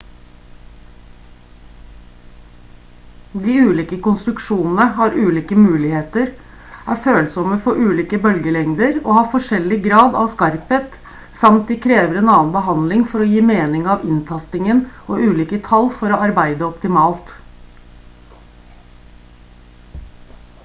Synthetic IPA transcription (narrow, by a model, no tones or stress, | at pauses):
d̪iːʉːliːkəkʊnst̪ɾʉkʂuːnn̩əɦɑːɾʉːliːkəmʉːlɪheːt̪əɾ | æːɾføːlsɔməfɔʔʉːliːkəbœlɡəlɛŋd̪əɾoːhɑːfɔʂɛlɪɡɾɑːd̪ɑ̰ʋskɑɾpət̪ | sɑmt̪̚d̪ɪkʰɾeːʋəɾeːnɑːnbəɦɑnlɪŋfɔɾɔjiːmeːnɪŋɑːʋɪnt̪ʰɑst̪ɪŋənʔoːʉːliːkət̪ʰɑlfɔɾoːɑɾbæɪd̪əɔpt̪ɪmɑːlt̪